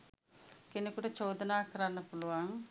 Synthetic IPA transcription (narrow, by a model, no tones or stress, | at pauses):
kenukuʈɐt͡ʃoːd̪ɐnaːkɐɾanːɐpuluʋaŋ